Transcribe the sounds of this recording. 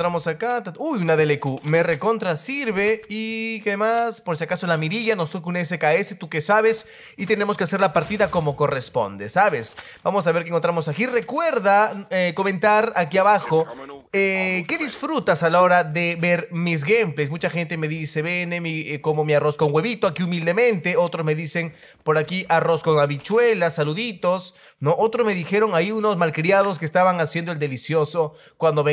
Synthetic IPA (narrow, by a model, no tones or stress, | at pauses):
t̪ɾamo̞sakat̪aujunaðe̞lekumereko̞nt̪ɾasiɾβe̞ikeaðemaspoɾsjakasolamiɾiʝanost̪okunes̬e̞kaese̞t̪uke̞saβe̞s | it̪e̞ne̞mos̬ke̞ase̞ɾlapaɾt̪iðako̞mo̞ko̞re̞spo̰nd̪e̞saβe̞s | b̥amo̞s̬aβe̞ɾk̬eŋkot̪ɾamosakire̞kwe̞ɾðaeko̞mẽ̞nt̪aɾakiaβaxo̞eke̞ðisfɾut̪asalaoɾaðe̞beɾmiz̬ɣemplesmut͡ʃaxe̞nt̪e̞me̞ðise̞βe̞nemiko̞mo̞miaro̞skoŋwe̞βit̪oakiumild̪e̞mẽ̞nt̪eo̞t̪ɾozme̞ðise̞ŋ | po̞ɾakiʔaro̞skoŋaβit͡ʃwe̞lasaluðit̪os | noʔot̪ɾozme̞ðixe̞ɾo̞ŋaiuno̞zmalkɾiaðo̞skeːst̪aβaŋasje̞nd̪oe̞ld̪elisjo̞so̞ | kwand̪o̞βe